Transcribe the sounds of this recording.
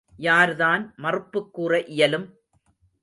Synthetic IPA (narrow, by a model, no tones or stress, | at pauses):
jaːɾðaːnmɐrɯpːɯkːuːrɐʔɪjɐlɯm